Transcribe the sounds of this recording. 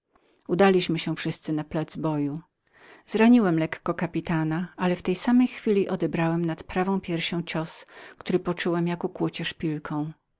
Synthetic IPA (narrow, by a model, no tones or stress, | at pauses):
ud̪alʲiɕmɘɕɛfʂɘst̪sɘnaplɛd̪zbɔju | zɾaɲiwɛmlɛkːɔkapʲit̪anaalɛft̪ɛjsamɛjxfʲilʲiʔɔd̪ɛbɾawɛmnat̪pɾavɔ̃w̃pʲjɛɾɕɔ̃w̃t͡ɕɔskt̪uɾɘpɔt͡ʂuwɛmjakɔkwut͡ɕɛʂpʲilkʰɔ̃w̃